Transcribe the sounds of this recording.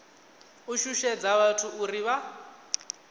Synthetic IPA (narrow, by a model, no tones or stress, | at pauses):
uʃuʃɛd͡zaβatʰuuriβa